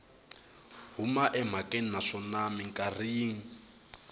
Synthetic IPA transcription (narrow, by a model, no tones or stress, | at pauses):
ɦumaʔɛm̤akʼeninaʂɔnamiŋ̩kʼariːŋ̩